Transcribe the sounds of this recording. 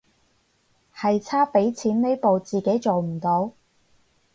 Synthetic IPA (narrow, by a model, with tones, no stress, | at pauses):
hɐ˨jt͡sʰaː˥pe˨˥jt͡sʰiː˨˥nne˥jpo˨wt͡siː˨˩ke˨˥jt͡so˨wm̩˨˩t̪o˨˧w